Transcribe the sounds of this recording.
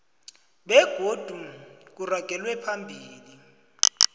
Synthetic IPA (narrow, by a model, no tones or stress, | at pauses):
ɓɛɡ̥ʱod̥ʱuk̬uraɡ̥ʱɛlwɛpʰambʱiːli